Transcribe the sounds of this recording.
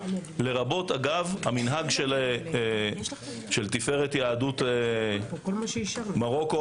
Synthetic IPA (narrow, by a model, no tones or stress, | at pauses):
le̞ʁabo̞taɡavhaminɦaɡʃel | ʃelt̪ife̞ʁetjaːdut̪ | maʁo̞ko